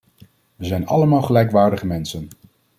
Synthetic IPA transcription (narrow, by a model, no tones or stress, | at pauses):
ʋəzɛjnɑ̰ləmaːlˠχəlɛjkʋaːɹdəχəmɛnsən